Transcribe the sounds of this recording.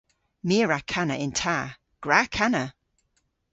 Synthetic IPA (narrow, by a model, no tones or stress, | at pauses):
miəɹakʰanə̰ʔɪntʰaː | ɡ̥ɹakʰanə